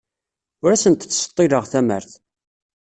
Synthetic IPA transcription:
ʊɾæsənt̪t͡sːsə̥t̪ˤːiɾəʁθæmə̰ɾθ

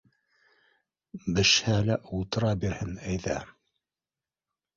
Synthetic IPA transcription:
bɘ̆ʃhælæʔut̪ɾɑbiɾhɘnæjðæ

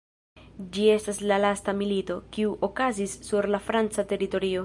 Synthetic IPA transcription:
d͡ʒie̞staslalastamilito̞kiuʔo̞kazisːuɾlafɾant͡sate̞ɾito̞ɾio̞

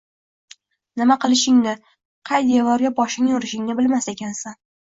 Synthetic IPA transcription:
nɪmaqɨlˠɪʃɪŋnɪ | qʰɑjd̪evɒɾɡʲabɒʃɪŋjoɾɪʃɪŋnɪbɪlmase̞kʲansan

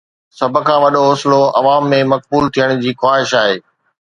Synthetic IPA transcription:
sɐb̆ʱkʰãːʋɐɗoɦʊːsɪloɐʋaːmːẽmɐk̚buːlt̪ʰijəɽ̃d͡ʑiːxwaːɦɪʃaːɦeː

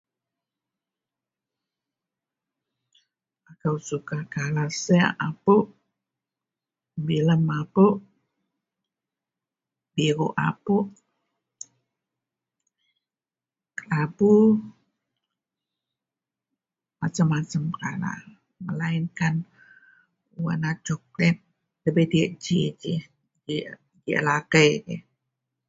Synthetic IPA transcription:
akawsukakalasɛa̰ʔapuʔ | biləmapuʔ | biɾuʔa̰puʔ | kapu | mat͡ʃəmːat͡ʃəmkala̰ | məlainkan | uwa̰nat͡ʃɔk̚lɛt̪̚ | ləbediəʔd͡ʒid͡ʒi | d͡ʒi | d͡ʒiə̰lakəjkɛ̰

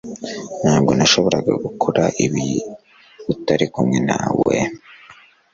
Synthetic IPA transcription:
n̥haːbɡo̞naʃo̞βo̞ɾaɡa̰ɡukʰoɾaʔiβi | utaɾikumŋe̞nawḛ

